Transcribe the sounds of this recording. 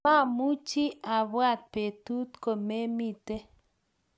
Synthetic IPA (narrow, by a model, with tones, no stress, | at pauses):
a˦˨mu˦t͡ʃi˦a˨βwa˦˨t̪̚pe˨t̪u˦t̪ko˨me˦mi˦˨t̪e˦